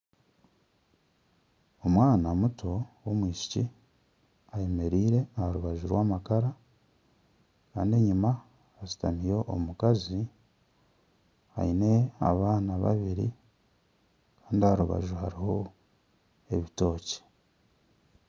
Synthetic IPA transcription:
o̞mwaːnamutʰo̞womwiːʃi̥ci | aje̞me̞ɾiːɾe̞ahaɾuβaʒuɾwaːmakaɾa | kaːnde̞ɲimaː | zi̥tamijo̞ʔomukazi | ha̰ine̞a̰βaːnaβa̰βiɾḭ | kḁːndiahaɾuβa̰ʒuhaɾiho̞ | e̞βito̞ːce̥

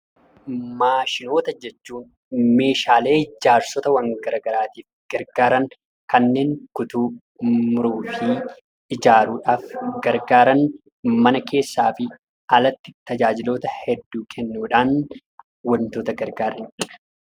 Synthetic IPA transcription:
maːʃɪno̞ːt̪ɐd͡ʒɛt͡ʃːuːn | me̞ːʃaːle̞ːd͡ʒaːɾsɔt̪ɐwɐŋɡɐɾɐɡɐɾaːt̪iːf | ɡ̥ɐɾɡaːɾɐŋ | kɐnːe̞ːŋkʊt̪uː | mʊɾuːfi | ɪd͡ʒaːɾuːᶑaːfɡɐɾɡaːɾɐn | mɐnɐkʰe̞ːsːaːfɪ | ɐlɐt̪ːɪt̪ɐd͡ʒaːd͡ʒɪlo̞ːt̪ɐhɛd̪ːuːkʰɛnːuːᶑaːn | wɐnt̪oːt̪ɐɡɐɾɡaːɾɐn

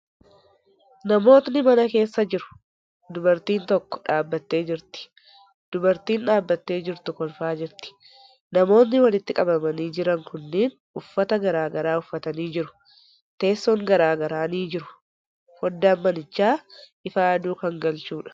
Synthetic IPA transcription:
nɐmo̞ːt̪nɪmɐnɐke̞ːsːɐd͡ʒɪɾʊ̥ | d̪ʊbɐɾt̪iːnt̪ɔkːɔ̥ᶑaːbːɐt̪ːe̞ːd͡ʒɪɾt̪ɪ̥ | d̪̥ʊbɐɾt̪iːnᶑaːbːɐt̪ːe̞ːd͡ʒɪɾt̪ʊkɔlfaːd͡ʒɪɾt̪ɪ̥ | nɐmo̞ːnːɪwɐlɪt̪ːɪkʼɐbɐmɐniːd͡ʒɪɾɐŋkʊnːiːn | ʊfːɐt̪ɐɡɐɾaːɡɐɾaːʊfːɐt̪ɐniːd͡ʒɪɾʊ̥ | t̪e̞ːsːɔŋɡɐɾaːɡɐɾaːniːd͡ʒɪɾʊ̥ | fɔd̪ːaːmːɐnɪt͡ʃːaːʔɪfaːɐd̪uːkɐŋɡɐlt͡ʃuːᶑɐ̥

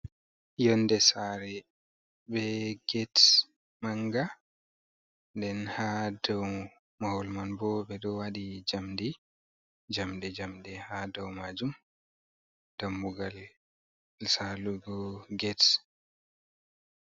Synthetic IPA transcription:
jɔnːdɛsaɾɛ | bɛɡɛt | maŋɡa | dɛnhadɔw | mahɔlmanbɔbɛɗɔwaɗid͡ʒamdi | d͡ʒamdɛd͡ʒamɗɛhadɔwmad͡ʒum | d̥amːuɡal | saluɡɔɡɛt

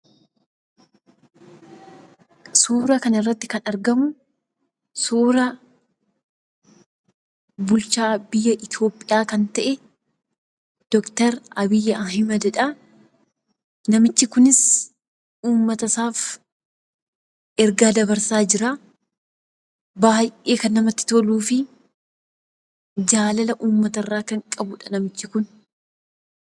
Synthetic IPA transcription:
suːɾɐkɐnɪrːɐt̪ːɪkɐnɐɾɡɐmʊ | suːɾɐ | bʊlt͡ʃaːbɪjːɐʔɪt̪jo̞ːpʼːɪjaːkɐnt̪ɐʔɛ | d̪̥ɔkt̪ɐɾɐbɪjːɐʔɐɦɪmɐd̪ɛᶑɐ | nɐmɪt͡ʃːɪkʊnɪs | uːmːɐt̪ɐsaːf | ɛɾɡaːd̪ɐbɐɾsaːd͡ʒɪɾaː | baːjʔeːkɐnːɐmɐt̪ːɪ̥t̪oluːfɪ | d͡ʒaːlɐlɐʔuːmːɐt̪ɐrːaːkɐŋkʼɐbʊᶑɐnɐmɪt͡ʃːɪkʊn

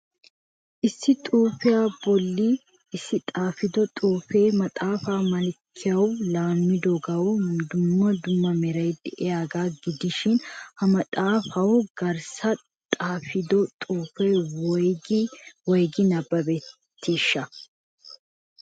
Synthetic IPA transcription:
ʔɪsːɪt̪ʼuːfɪjaːbɔlːi | ɪsːɪt̪ʼaːfɪd̪ɔt̪ʼuːfeːmɐt̪ʼaːfaːmɐlkʰːɪjɐwlaːmːɪd̪ɔɡɐwd̪ʊmːɐd̪ʊmːɐmɛɾɐjd̪ɛʔɛjaːɡaːɡɪd̪ɪʃɪnhɐmɐt̪ʼaːfɐwʊɡ̥ɐɾsɐ | t̪ʼaːfɪd̪ɔt̪ʼuːfeː | wɔjɡɪnɐbːɐbeː | t̪ʰːeːʃːɐ

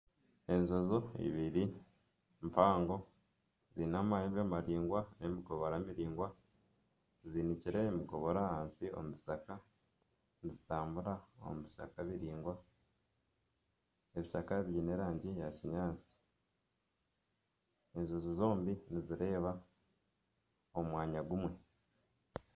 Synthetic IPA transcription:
e̞ɲʒo̞zoḭβiɾi | mpaːŋɡo̞ | zinamajeβamaɾiːŋɡwaemiɡoβoɾamiɾiːŋɡwa | ziniciɾe̞ːmiɡo̞βoɾahaːnsio̰muβisaka | nizitaːmbuɾao̰muβiʃa̰kaβiɾiːŋɡwa | eβiʃakaβiːne̞ɾaːɲɟijaciɲaːt͡si̥ | eɲʒuzizo̞ːmbiniziɾe̞ːβa | omwaːɲaɡumwe̞

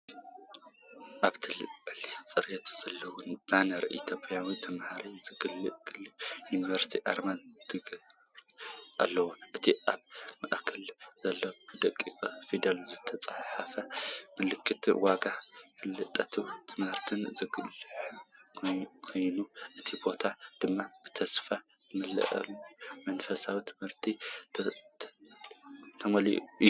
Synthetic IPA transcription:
ʔaβt̪ʰɨlʕlist͡sʼɐɾjɐt̪ʰu̥zɐlːɐwʊnbanɐɾḭt̪ʰjo̞pʼjawit̪ʰɐmhaɾizɨɡɨlːɨʔɡ̥ɨlːɨjunivɐɾst̪ʰiʔaɾmand̪ɨɡɐ | ɾʔa̰lːɐwuʔɨt̪ʰiʔaβmaʔkʰɐlz̥ɐlːɐɨd̪ɐkʼːikʼɐfid̪ɐlzɨt̪ʰɐt͡sʼɐħafɐmɨlɨkʰːɨt̪waɡakɨlːɨt̪ʼːɐt̪ʰut̪ʰɨmhɨɾt̪ʰɨnzɨɡɨlħ | kʰo̞jnuʔɨt̪ʰibo̞t̪ʰad̪̥ɨmːab̥ɨt̪ʰɐsfa | zɨmɨlɐ̰ʔɐ̰lumɐnfɐsawit̪ʰɨ̥mhɨɾt̪ʰi | t̪ʰɐmɐliuʔɨj

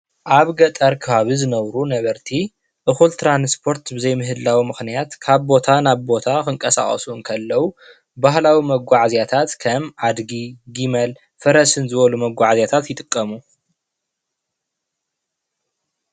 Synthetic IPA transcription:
ʔaβɡɐt̪ʼɐɾkʰɨβaβizɨnɐβɾunɐβɐɾt̪ʰi | ʔɨxult̪ʰɾanspʰo̞ɾt̪bɨzɐjmɨɦɨlːawimɨxnijat̪kʰaβbo̞t̪ʰanaβbo̞t̪ʰakɨŋkʼɐsa̰χʼɐ̰suɨnkʰɐlːɐwu | bahlawimɐɡʷaʕzjat̪ʰat̪kʰɐmʕad̪ɡiɡimɐl | fɐɾɐsɨnzɨβɐlumɐɡʷaʕzjat̪ʰat̪jɪt̪ʼɨkʼːɐmu

